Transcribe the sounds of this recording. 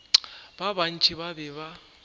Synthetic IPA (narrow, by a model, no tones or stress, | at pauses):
baβan̩t͡ʃʰʼiβabɛβa